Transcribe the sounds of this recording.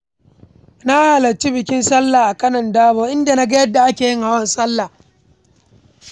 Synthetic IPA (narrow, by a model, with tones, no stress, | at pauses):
na˦ha˨lɐ˨t͡ʃi˦bɪ˨kʲɪ˦nsɐ˦lːaː˨ʔa˨kɐ˦nɐ˨ndaː˦boː˦ʔɪ˦nda˨na˦ɡɐ˦jɐ˦dːa˨ʔa˦kʲeː˨jɪ˦ŋha˨wɐ˦nsɐ˦lːa˨